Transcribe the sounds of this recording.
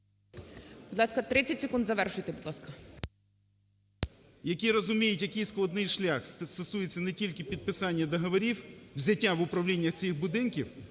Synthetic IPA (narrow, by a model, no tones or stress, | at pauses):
bud̪lˠɑskɐt̪ɾɪt͡sʲɐtʲsʲɪkund̪zɐʋɛrʃʊjt̪ebud̪lˠɑskɐ | jɐkʲiɾɔzʊmʲijʊtʲjɐkɪjsklˠɐd̪nɪjʃlʲaxst̪ɔsujet͡sʲːɐnɛtʲilʲkɪpʲid̪̚pɪsɑnʲːɐd̪ɔɦɔʋɔɾʲiwwzʲɐtʲːaʋʊpɾɐwlʲinʲːɐxt͡sʲixbʊd̪ɪnkʲiw